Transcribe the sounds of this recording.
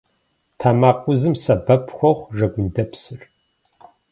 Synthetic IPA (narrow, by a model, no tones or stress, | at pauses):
tʰaːmaːqʷʊzɨmsɐbɐpʰxʷɔχʷʐɐɡʷʊndɐpsɨr